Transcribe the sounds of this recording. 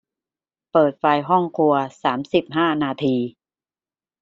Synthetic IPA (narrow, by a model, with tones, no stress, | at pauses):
pɤː˨˩t̪̚fa˧jɦɔ˥˩ŋkʰu˧ɐsaː˩˦msi˨˩p̚ɦaː˥˩naː˧t̪ʰiː˧